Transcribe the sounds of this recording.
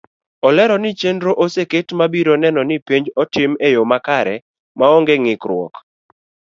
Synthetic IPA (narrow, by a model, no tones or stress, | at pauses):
ɔlɛɾɔnɪt͡ʃendɾoʔoseketmabiɾonɛnɔnɪpeɲd͡ʒɔtɪmejomakaɾɛ | maɔŋɡeŋɪkɾwɔ̰k